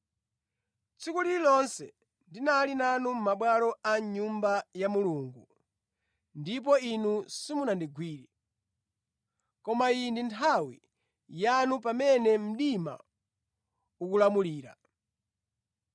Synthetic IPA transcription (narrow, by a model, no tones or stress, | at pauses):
t͡sʰikulilɔnsɛ̰ | ndinalinanum̩maɓwalɔaɲumbajamuluŋɡu | ndip̬ɔinusimunandiɡwiːɾi | kɔmaindintʰawḭ | janupamɛnɛm̩ɗima̰ | ukulamuliːɾa̰